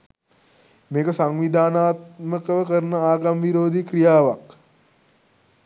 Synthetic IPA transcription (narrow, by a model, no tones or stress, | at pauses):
meːkəsaŋʋid̪ʱaːnaːt̪̚məkəʋəkəɾnəaːɡamʋiɾoːd̪ikɾijaːʋak